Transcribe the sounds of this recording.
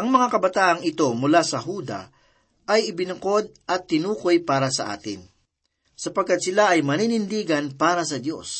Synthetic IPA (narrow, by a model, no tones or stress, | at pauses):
ʔɐŋmɐŋakɐbɐt̪aːʔɐŋɪt̪o̞mʊlasɐɦuːd̪ɐ̰ | ʔɐjɪbɪnʊko̞d̪̚ɐt̪ːɪnuːkojpaːɾɐsɐ̰ʔa̰ːt̪ɪ̰n | sɐpɐɡkːat̪̚sɪlaʔɐjmɐniːnɪnd̪iːɡɐnpaːɾɐsɐd̪jo̞̰s